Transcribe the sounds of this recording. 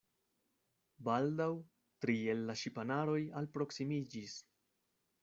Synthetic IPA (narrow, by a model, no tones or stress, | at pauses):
baldaw | tɾie̞lːaʃipanaɾo̞jalpɾo̞ksimid͡ʒis